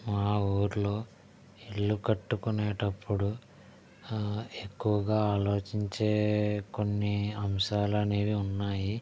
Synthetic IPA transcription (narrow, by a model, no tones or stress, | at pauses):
maːuːɾuloː | iɭːukɐʈːukuneːʈɐpːuɽu | e̞kːuwɐɡaːaːlo̞ːt͡ʃiɲt͡ʃe̞ːko̞nːiɐmʃaːlɐneːʋiunːaːji